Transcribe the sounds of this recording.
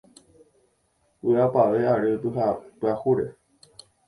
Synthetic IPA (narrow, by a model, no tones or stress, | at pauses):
wɨapaʋeaɾɨt̪ɨɦapɨahuɾe